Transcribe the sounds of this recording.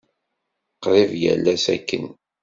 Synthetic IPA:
qːɾˤivjæ̰lːæsækːən

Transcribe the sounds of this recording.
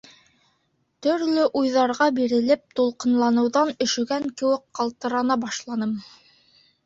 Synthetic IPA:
t̪ɵ̆ɾlɵʔujðɑɾʁɑbiɾɘ̆lɘp̚t̪ulˠqɤ̆nlˠɑnɤ̆wðɑnɵ̆ʃɵ̆ɡæŋkɘ̆wɘkqɑlˠt̪ɤ̆ɾɑnɑbɑʃlˠɑnɤm

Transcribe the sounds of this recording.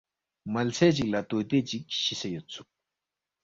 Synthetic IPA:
mɐlt͡sʰɛːt͡ɕik̚lat̪ot̪eːt͡ɕik̚ɕisejot̪̚t͡sʰuk̚

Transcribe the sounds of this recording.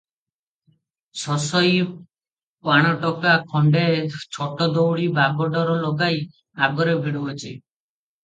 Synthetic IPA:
sɔsɔj | paɽ̃ɔʈɔkakʰɔɳɖet͡ʃʰɔʈɔd̪ɔwɽibʱaɡɔɖɔɾɔlɔɡaj | aɡɔɾebʱeɽubɔt͡ʃʰi

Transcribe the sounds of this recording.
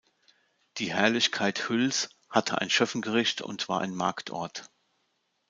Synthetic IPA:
d̥iːhɛɐlɪçkʰaɪthʏls | hatʰəʔa̰ɪnʃœfn̩ɡəʁɪçtʰʊ̰ntv̥a̰ːɐʔa̰ɪnma̰ɐktʰɔ̰ɐt

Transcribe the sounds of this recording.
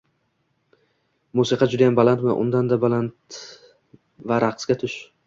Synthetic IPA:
musɪqʰɑd͡ʒʊd̪ajambalant̪maʔʊ̰nd̪and̪abalant̪ | vaɾʔaqʰsɡʲat̪ʰʊʃ

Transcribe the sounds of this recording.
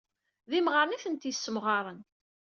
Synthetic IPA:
ðimʁəɾˤniθənt̪jəsːəmʁɑɾˤən

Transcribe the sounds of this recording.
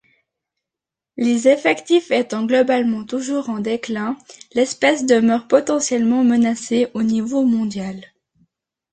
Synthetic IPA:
lezɛfɛkt̪ifɛt̪ɑ̃ɡlɔbalmɑ̃t̪uʒuʁɑ̃d̪eklɛ̃lɛspɛsd̪əmœʁpɔt̪ɑ̃sjɛlmɑ̃mənaseʔonivomɔ̃d̪jal

